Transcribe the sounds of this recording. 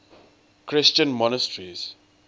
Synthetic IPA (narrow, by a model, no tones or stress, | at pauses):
kʰɹɪst͡ʃə̃nmɔnəstɹiz